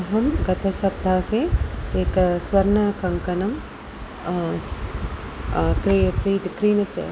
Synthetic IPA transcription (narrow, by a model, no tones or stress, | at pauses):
ɐɦɐmɡɐt̪ɐsɐb̚d̪ʱaːheːeːkɐsʋɐɾnɐkɐŋkɐnɐm | kkɾiːkɾiːnɐt̪ɐ̰